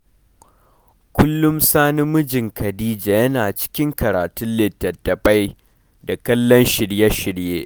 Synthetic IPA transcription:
kʷʊ˦lːʊ˦msaː˦nɪ˦mːʊ˦d͡ʒɪ˨ŋkɐ˨diː˦d͡ʒaː˨jɐ˦naː˨t͡ʃɪ̥˦kʲɪ˦ŋkɐ˨ɾaː˨tʊ˦nlɪ˨tːɐ˨tːɐ˨ɸa˦j | da˨kɐ˦lːɔ˦nʃɪ˨ɽjɐ˦ʃɪ˨ɽjeː˦ʔ

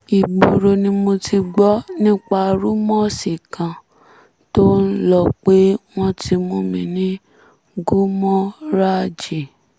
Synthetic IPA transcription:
i˨ɡ͡bo˨ɾo˧nĩ˧mo˧ti˧ɡ͡bɔ˦nĩ˦k͡pa˧˨ɾu˦mɔ̃˦si˨kã˨ | to˦n̩˦lɔ˧k͡pe˦w̃ɔ̃˦tʰi˧mõ˧mĩ˧nĩ˦ | ɡu˦mɔ̃˦ɾa˦d͡ʒi˨

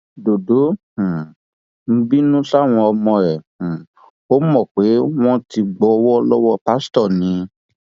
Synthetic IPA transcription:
do˨do˨˦ | ũ˨ | m̩˧˦bi˦nũ˦ɬa˦˨w̃ɔ̃˧ɔ˧mɔ̃˧ɛ̃˨ | o˦mɔ̃˦˨k͡pe˨˦w̃ɔ̃˦ti˧ɡ͡bɔ˧wɔ˦˧lɔ˦wɔ˦pa˦stɔ˦˨nĩ˧

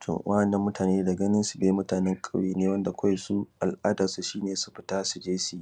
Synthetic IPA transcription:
tʰo̰˨wʔa˦ɐ˨nːɐ˦mːʊ˦tʰaː˨neː˦da˨ɡɐ˦nɪ˦nsu˨beː˨˦mʊ˦taː˨nɛ˦ŋkʼɐ˦wjeː˨neː˦wɐ˦nda˨kʷa˦jsu˦ʔa˨lʔaː˦daː˨su˨ʃiː˦neː˨su̥˦ɸɪ˦ta˦su˨d͡ʒeː˦si˦

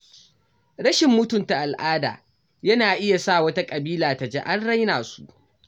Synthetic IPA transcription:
ɽɐ˦ʃɪ˨mːʊ˦tʊ˨nta˨ʔa˨lʔaː˦da̰ː˨ | jɐ˦naː˨ʔɪ˦ja˨sa˦˨wɐ˦ta˦kʼɐ˨biː˦laː˨ta˨d͡ʒɛ̰˦ʔa˦nɽa˦jnaː˨su̥̰˦ʔ

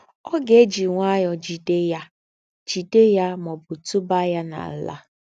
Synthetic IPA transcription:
ɔ˦ɡe˦d͡ʒi˨ŋʷa˦jɔ˨d͡ʒi˨te˦ja˦ | d͡ʒi˨te˦ja˦mɔ˨bʊ˨tu˦ba˦ja˦na̰˨˦la̰˦

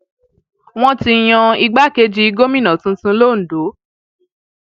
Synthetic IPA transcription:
w̃ɔ̃˦ti˧j̃ã˧i˧ɡ͡ba˦ke˧˦d͡ʒi˧˦i˧ɡo˦mĩ˦nã˨tũ˨˦tũ˧˦lo˦˨n̩˨do˨˦

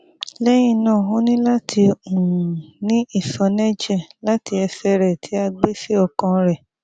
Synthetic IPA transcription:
lɛ˦j̃ĩ˧˨nã˦˨ɦũ˨˦nĩ˦la˦tʰi˧ũ˨u˨nĩ˦i˦˨sɔ˧nɛ˦d͡ʒɛ˦˨la˦ti˧ɛ˧sɛ˧ɾɛ˨tʰi˨˦a˧ɡ͡be˦fi˦ɔ˦˨kã˧ɾɛ˨

